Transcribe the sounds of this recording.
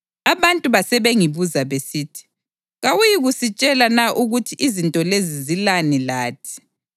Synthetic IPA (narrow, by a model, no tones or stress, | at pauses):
aβantʼuβasɛβeŋiβuzaβesiːtʰi̥ | ɣawujiɣusit͡ʃʼɛlanaʔuɣutʰiʔizintʼɔlezizilanilaːtʰi̥